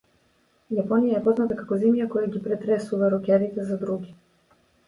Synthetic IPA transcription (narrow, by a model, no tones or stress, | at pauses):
japɔnijaɛpɔznat̪akakɔzɛmjakɔjaɡʲipɾɛt̪ɾɛsuvaɾɔkɛɾit̪ɛzad̪ɾuɡi